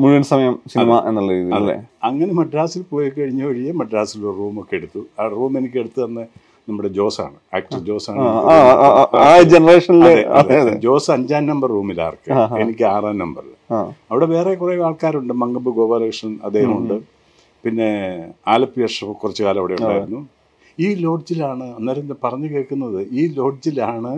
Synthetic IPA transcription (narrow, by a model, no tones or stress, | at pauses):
muɻuʋɐnsɐmɐjɐmsinimaʔenːɐɭːɐɾiːðijɐðlːḛɐŋːɐne̞mɐɖɾaːsilpo̞ːjikɐɻiɲːɐʋɐɻijɐmɐɖɾaːsiluoɾruːmo̞kːeeɽut̪ːuaːruːme̞nikʲːe̞ɽut̪ːɨɐnːɨ | nɐmːuɽe̞d͡ʑo̞ːsa̰ːɳɨa̰ːk̚ʈɐd͡ʑo̞ːsaːɳɨ | aːd͡ʑenɐreːʂɐnilːeeɐððd͡ʑo̞ːsɨɐɲd͡ʑaːnnɐmbɐrːuːmila̰ːrkːɨenikʲːɨaːraːnnɐmbɐri | aɐʋiɽe̞ʋe̞ːrekureʋaːɭkaːɾuɳɖɨmɐŋɡɐmbɨɡo̞ːʋɐleːʂɐnɐ̰d̪ːeːhɦɐmuɳɖɨ | pinːe̞aːlɐpːijɐʂɐpːɨkurɐt͡ɕːɨkaːlɐmɐʋiɽeuɳɖa̰ːjiunːu | iːlo̞ːɖd͡ʑilaːɳɨɐnːɐːɾnpɐrɐɲːɨkeːɭkunːɐðɨiːlo̞ːɖ̚d͡ʑilaːɳɨ